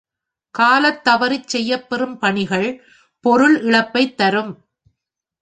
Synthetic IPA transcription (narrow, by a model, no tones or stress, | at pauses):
kaːlɐt̪ːɐʋɐɾɪt͡ʃsɛjːɐpːɛɾɯmpɐɳɪɣɐɭ | pɔɾɯlɪɭɐpːɐɪt̪ːɐɾɯm